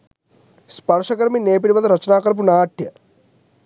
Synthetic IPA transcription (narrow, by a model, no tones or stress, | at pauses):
spɐɾʂɐkɐɾmineːp̬iɽiʋɐd̪ɐɾɐt͡ʃɐnaːkɐɾp̬unaːʈjɐ